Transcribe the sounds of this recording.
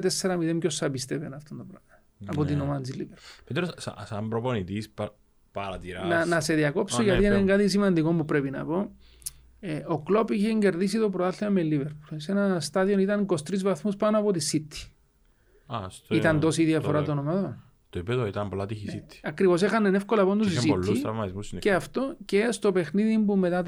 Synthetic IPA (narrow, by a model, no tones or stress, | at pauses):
t̪esːeɾamiðemcosːapist̪evenaft̪ond̪opɾ | apot̪inomant͡siliveɾpu̥lpet̪ɾosa̰sambɾoponit̪isp | paɾat̪iɾananase̞ðiako̞psojat̪ieneŋɡat̪isimand̪iko̞mbupɾepina̰po | eoklo̞piçeɲɟe̞ɾðis̬it̪o̞pɾoalːiɐmelːiveɾpu̥lsenɐst̪aðio̞nit̪ɐŋko̞st̪ɾizvaθmuspanoɐpot̪isit̪ːi̥ | st̪it̪ɐnd̪o̞s̬iðiɐfo̞ɾat̪onomaðon | st̪oipeðoit̪ɐmpolat̪içisit̪ːi̥ɐkɾivo̞sexɐnenefko̞lɐpo̞nd̪osisilːit̪ɾɐvmɐt̪izmusinceaft̪o̞cest̪o̞pe̞xniðimbumːe̞t̪at̪